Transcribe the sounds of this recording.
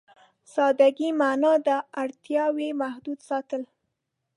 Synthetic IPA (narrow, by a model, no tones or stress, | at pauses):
sɑd̪aɡimanɑd̪əaɽt̪jɑwemahd̪ud̪sɑt̪əl